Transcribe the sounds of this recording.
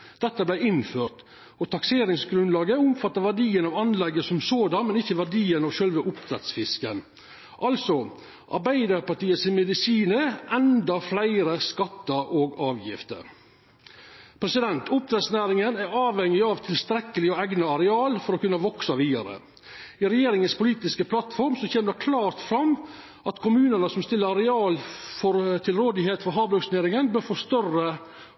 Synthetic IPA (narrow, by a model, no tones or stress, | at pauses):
d̪̥ɛt̪ːəblæɪɪnføːʈ̪ | ɔt̪ʰɑkseːɾɪŋsɡɾʉnlɑːɡəʊmfɑt̪ːɑɾʋæɖiːənɑʋɑnlɛɡːəsɔmsoːd̪ɑnmɛnɪçːəʋæɖiːənɑʋʃœlʋəʔʊp̚t̪ʰɾɛt̪sfɪskən | ʔɑlsɔ | ʔɑ̰ɾbæɪd̪ɑɾpɑʈiːəsɪnmɛd̪ɪsiːnəʔɛnd̪ɑflæɪɾəskɑt̪ːəʔoːɡɑːʋjɪ̰ft̪ə̰ɾ | pʰɾɛsɪd̪ɛnt̪ʰʊp̚d̪ɾɛd̪snæːɾɪŋənæɾɑːʋɛŋːɪɑʋt̪ʰɪlst̪ɾɛkːəlɪɔɛɡnəɑɾɛɑːlfɔɾɔkʉnːəʋɔksɑʋiːd̪ɑ̰ɾə̰ | ɪɾɛjeːɾɪŋənspʰʊliːt̪ɪskəpʰlɑt̪fɔɾmsɔçeːməd̪ɛkʰlɑːɾt̪fɾɑmː | ʔɑt̪kʰʊmʉːnənəsɔmst̪ɪlːəɾɑɾɛɑːlfɔɾt̪ʰɪlɾoːd̪ɪɦeːt̪fɔɾɦɑːblœksneːɾɪŋənbøːɾfɔst̪œrə